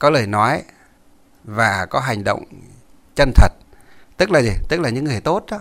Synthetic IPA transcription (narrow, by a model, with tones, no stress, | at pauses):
kɔ˨˦ləː˨˩jnɔ˨˦j | vaː˨˩kɔ˨˦ɦa˨˩jŋ̟ɗo̰˧˨wŋ͡m | t͡ɕə˧nt̪ʰə˨˩t̚t̪ɨ˦˥k̚laː˨˩zi˨˩t̪ɨ˦˥k̚laː˨˩ɲɨ̰˧˥ŋːɨ˨˩əjt̪o˦˥t̚ɗɔ˨˦